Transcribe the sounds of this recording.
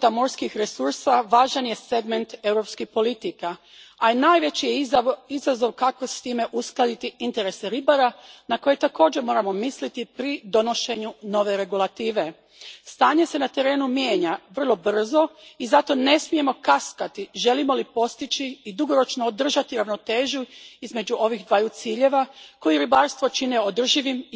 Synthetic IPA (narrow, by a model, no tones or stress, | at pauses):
ut̪amo̞ɾskixɾe̞suɾsaʋaːʒanje̞se̞ɡme̞nt̪e̞wɾo̞pskixpo̞lit̪ika | ainaːjʋe̞t͡ɕijeizazo̞ʋkako̞st̪iːme̞ʔusklˠad̪it̪iint̪e̞ɾe̞seɾibaɾanako̞je̞t̪ako̞ːd͡ʒemo̞ːɾamo̞mislit̪ipɾid̪o̞no̞ʃe̞ɲuno̞ʋe̞ɾe̞ɡulˠat̪iːʋe̞ | st̪aːɲe̞se̞nat̪e̞ɾe̞ːnumjeːɲaʋr̩lˠo̞br̩zo̞izat̪o̞ne̞smije̞mo̞kaskat̪iʒe̞limo̞lipo̞st̪it͡ʃiːd̪uɡo̞ɾo̞t͡ʃnoːd̪r̩ʒat̪iɾaʋno̞t̪e̞ːʒuizme̞d͡ʑuʔo̞ʋiɣd̪ʋajut̪siːʎe̞ʋako̞jiɾibaɾst̪ʋo̞t͡ʃine̞od̪r̩ʒiʋim